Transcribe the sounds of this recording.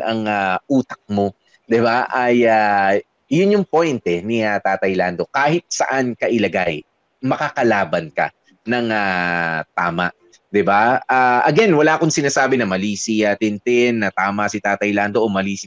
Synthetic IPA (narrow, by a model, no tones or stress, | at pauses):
ɐŋaʔuːt̪ɐk̚mo̞ | d̪ɪbaʔaja | jʊnjʊŋpo̞jnt̪ɛnɪat̪aːt̪ɐjland̪o̞kaːhɪt̪̚sɐ̰ʔankɐʔɪlɐɡaj | mɐkakɐlaːbɐnkɐ̰ | nɐŋat̪a̰ːma̰ʔ | d̪ɪbaʔaʔɐɡɛnwɐlaːkoŋsɪnaːsaːbɪnɐmɐliːsiɐt̪ɪnt̪ɪnːɐt̪aːmɐsɪt̪aːt̪ɐjland̪o̞ʔomɐliːsɪ